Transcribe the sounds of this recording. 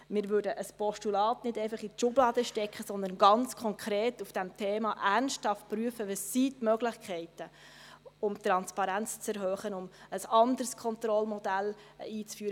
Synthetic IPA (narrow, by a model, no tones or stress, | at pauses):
mɪɾʋʉɾdəʔəspɔʃtulɑːtnɪdɛɪfɑχiʃʊblɑːd̪əʃtɛkχəsɔnd̪ənɡɑnt͡skʰɔŋkʰɾeːtufd̥ɛmtʰeːmɑʔærnsthɑftpɾyəfəʋəsitmœɡlɪχkʰχɛɪtə | ʊmt̪ɾɑnspɑɾænt͡st͡sɛɾhøːχənʊməsɑnd̪əɾskʰɔnt̪ɾɔlmɔd̥æliːt͡sfyːɾə